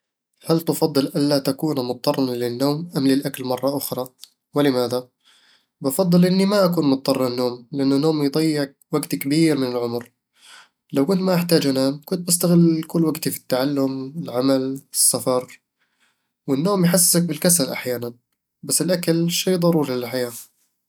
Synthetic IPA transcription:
halt̪ɑfɑd̪ˤːɨlʔalːat̪akuːnmʊt̪̚ˤːɑrˤɑnlɪnːoːmʔamlɪlʔakalmɑrˤːɑʔʊxɾˤɑ | wɪlɪmaːða | bɑfɑd̪ˤːɨlʔɪnːimaʔakuːnmʊt̪̚ˤːɑrˤːnːoːmlɪʔanːʊnːoːmjd̪ˤɑjːɪʕ | waɡt̪kabiːɾmɪnɪlʕʊmɾ | lawkʊnt̪maʔɪħt̪aːd͡ʒʔanaːmkʊnt̪̚bast̪aɣɪlkʊlːwaɡt̪ifi̥t̪ːaʕalːʊmɪlʕamalɪsːafɑɾˤ | wɪnːoːmjħas̬ːsak̚bɪlkasalʔaħjaːnan | basːɪlʔakalʃiːðˤɑɾˤuːɾilɪlħajaː

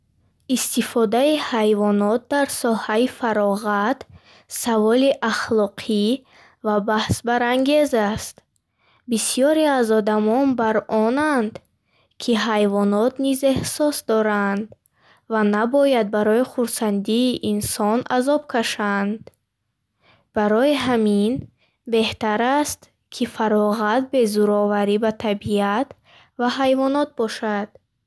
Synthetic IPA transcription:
ist̪ifɔd̪aihajvɔnɔt̪̚d̪aɾsɔhaifaɾɔʁat̪ | savɔliʔaχlɔqʰi | vabahsbaɾaŋɡe̞zast̪ | bisijɔɾeazɔd̪amɔnbaɾɔnand̪ | kʰiɦajvɔnɔt̪nize̞hsɔsd̪ɔɾand̪ | vanabɔjad̪̚baɾɔiχuɾsand̪iːʔinsɔnazɔb̚kʰaʃand̪ | b̥aɾɔiɦamin | be̞ht̪aɾast̪ | kʰifaɾɔʁat̪̚be̞zuɾɔvaɾibat̪ʰabiat̪ | vaɦajvɔnɔt̪̚bɔʃad̪̥

